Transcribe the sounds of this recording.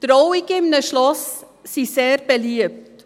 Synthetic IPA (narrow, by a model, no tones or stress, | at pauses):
t̪ɾɔwɪkɪmnəʃlɔs | siseːɾb̥ɛliəp̚t̪